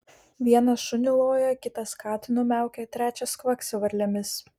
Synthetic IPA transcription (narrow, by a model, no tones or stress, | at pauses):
ʋʲiɛnɐʃʊnʲɪlˠoːjɛkʲɪt̪ɐskɑːt̪ʲɪnʊmʲæˑʊkʲɛt̪ʲɾʲæːt͡ʃʲɛskʋɐksʲɛʋɐɾʲlʲɛmʲɪs